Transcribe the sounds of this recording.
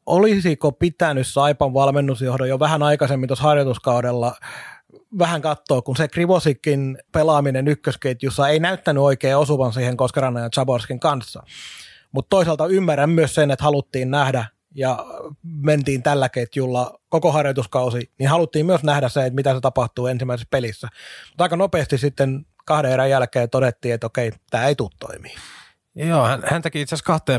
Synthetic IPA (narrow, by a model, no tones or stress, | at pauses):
ʔolisikopit̪ænyssɑipɑʋʋɑlmenːusjohdojoʋæhænɑikɑsemːint̪oshɑrjot̪uskɑudelːɑ | ʋæhæŋkɑt̪ːoːkkunsekriʋosikːinpelɑminenykːøsket̪jusːɑeinæyt̪ːænyoikeːosuʋɑnsiːheŋkoskerɑnɑjɑnt͡ʃɑborskiŋkɑnsːɑ | mut̪t̪oisɑlt̪ɑymːærːæmmyøssenet̪hɑlut̪ːiːnnæhdæ | jɑ | ment̪iːnt̪ælːækeit̪julːɑkokohɑrjot̪uskɑusiniːnhɑlut̪ːiːmmyøsnæhdæsseet̪mit̪æset̪ɑpɑht̪uːensimːˑæisespelisːæmut̪ɑikɑnopeːst̪issit̪ːen | kɑhɾeerɑjjælkeːt̪odet̪ːiːet̪okeit̪æːeit̪uːt̪to̰imiː | joːhænhænt̪ekiit̪seæskɑht̪eː